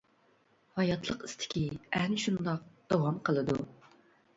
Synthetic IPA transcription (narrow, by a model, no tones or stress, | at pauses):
hɑjɑt̪ʰlˠəqist̪ʰɪ̥kʲiæhnɪʃund̪ɑq̚d̪̥ɑwɑmqʰəlˠɨd̪u